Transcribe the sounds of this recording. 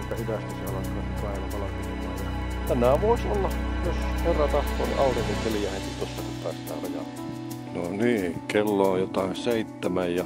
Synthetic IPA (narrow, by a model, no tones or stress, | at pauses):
et̪ːæhyt̪æst̪iseolːɑsenːɑspæˑeʋæpɑlɑpilimɑːjɑt̪ænˑæːʋoˑisolːɑjosherːɑt̪ɑht̪ˑoːnḭʔɑˑut̪imːit̪t̪elijæˑhekit̪osːɑkit̪ɑˑːsit̪æ̰rɑjɑ̰t̪ːɑ | noniːkelːoːjjot̪ɑˑenseˑit̪ːæmæjjɑ